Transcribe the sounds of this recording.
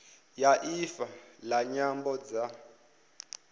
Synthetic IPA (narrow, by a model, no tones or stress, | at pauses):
jaʔifalaɲambɔd͡za